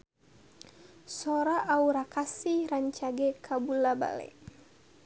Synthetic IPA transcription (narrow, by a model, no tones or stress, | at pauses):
sɔɾaʔauɾakasiɾaɲt͡ʃaɡɛkʰabulaba̰lɛ̰